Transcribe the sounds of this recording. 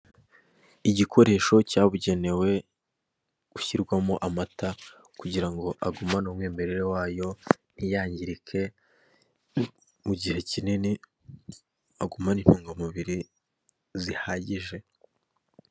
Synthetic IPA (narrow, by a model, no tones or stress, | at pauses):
iɟikʰo̞ɾe̞ːʃo̞caβuɟe̞ne̞we̞ | uçiɾɡwamoʔamata | kuɟiɾaŋɡo̞ʔaɡumanomwiːmbe̞ɾeɾe̞waːjo̞n̥ijaːɲɟiɾikʰe̞ | muɟihe̞cinini | aɡumanin̥huːŋɡamuβiɾi | zihaːɟiʒe̞